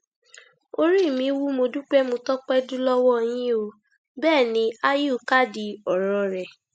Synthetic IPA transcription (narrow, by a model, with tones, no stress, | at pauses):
o˦ɾi˦˨mĩ˨˦wu˦mo˧du˦k͡pɛ˦mõ˧tɔ˦k͡pɛ˦dũ˦lɔ˦wɔ˦˧˨j̃ĩ˦o˧ | bɛː˦˨nĩ˧˦a˦ju˦˨˦ka˦˨di˧ɔ˨ɾɔ̃˨ɾɛ˨